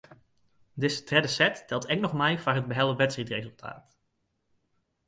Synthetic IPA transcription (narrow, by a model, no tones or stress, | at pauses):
dɪsə̥trɛdəsɛtːɛlˠtɛknɔχmɛjfaːrɦəd̚bəɦɛlˠəʋɛtsitrejzɵlˠtʰa̰ːt